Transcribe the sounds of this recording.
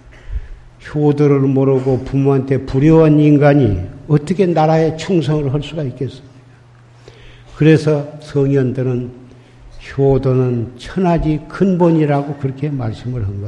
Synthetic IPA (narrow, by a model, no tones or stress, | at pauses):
çodoɾɯɭmoɾɯɡopumuɦantʰe̞puɾjʌwaniŋɡaɲiʌt͈ʌkʰe̞naɾae̞t͡ɕʰuŋs̬ʰʌŋɯɭɦʌɭs͈uɡaik͈es͈ɯmɲida | kɯɾe̞sʰʌsʰʌŋjʌndɯɾɯn | çʰodonɯnt͡ɕʰʌnɦad͡ʑikɯnbʌɲiɾaɡokɯɾʌkʰe̞maɭs͈ɯmɯɭɦanɡʌ